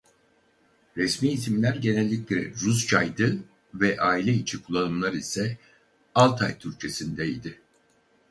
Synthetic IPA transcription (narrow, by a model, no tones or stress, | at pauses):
ɾɛsmiːsimlʲæɾɟe̞nɛlʲːiclʲɛ̰ɾust͡ʃʰajd̪ɯ | vɛʔaːilʲɛit͡ʃʰikʰulˠːanɯmlˠaɾisɛ | alˠt̪ʰajt̪ʰyɾt͡ʃʰe̞sind̪ɛid̪ɪ